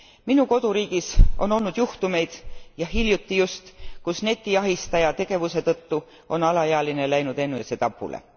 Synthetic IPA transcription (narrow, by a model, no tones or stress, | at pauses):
minuko̞d̪̥uɾiːɡ̥isʔo̞no̞lnud̪juht̪ume̞jd̪̥jɑɦiljut̪ːijust̪kusne̞t̪ːˑiɑɦist̪ɑjɑt̪e̞ɡ̥e̞vuse̞t̪ɤt̪ːu | o̞nɑlɑjeɑlinelæjnud̪̥e̞nːujɑset̪ɑpːṵlḛ